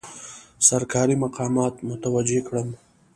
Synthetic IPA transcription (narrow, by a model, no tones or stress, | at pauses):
sɐɾkɑːɾimaqɑːmɑːt̪mʊt̪awad͡ʒekɽəm